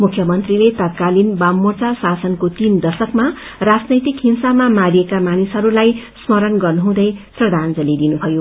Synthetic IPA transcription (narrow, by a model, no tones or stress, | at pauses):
mukʰjʌmʌnt̪rilet̪ʌt̪̚kalinbamːort͡sasasʌnkot̪ind̪ʌsʌkma | rad͡znʌjt̪ikɦinsamamaɾijekamanisɦʌɾulajsmʌɾʌnɡʌrnuɦũd̪ʌjprʌd̪ʱand͡zʌlid̪inubʱʌjo